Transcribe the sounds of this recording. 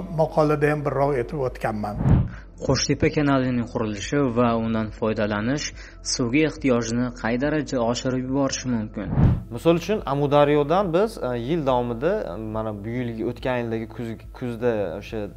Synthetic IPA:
mɑqʰɒlad̪ajambɪɾːɒʁe̞t̪ʰɪpot̪kʲanman | qʰoʃt̪ʰepakʲʰanalɪnɪŋʲqʰʊɾɪlɪʃɪvaʊnd̪anfɒjd̪alanɪʃ | sowɡʲaeχt̪ʰijɒʒɪnɪqʰɑjd̪aɾad͡ʒaɒʃɪɾɪpjʊbɒɾɪʃɪmʊmkʲɪnmɪsɒlˠʊt͡ʃʰʊnamʊd̪aɾijɒd̪anbɪzjɪld̪avɒmɪd̪amanabʊjɪlɡʲaot̪kʲanjɪld̪aɡʲɪkʲʰʊzd̪aoʃa

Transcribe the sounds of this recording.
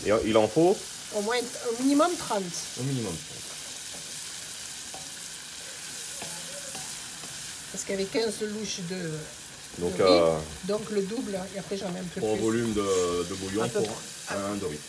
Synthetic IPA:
eʔilɑ̃fo | omwɛ̃ɛ̃minimɔmt̪χɑ̃t̪ɛ̃minimɔmt̪χɑ̃t̪ | paʁsə̥kjavɛkɛ̃zəluʃd̪ə | d̪ɔ̃kø | d̪ɔ̃kləd̪ubleapχɛʒɑ̃vɛɛ̃mpøpuʁɛ̃vɔlymd̪əd̪əboljɔ̃puʁ | ɛ̃ɛ̃d̪əʁi

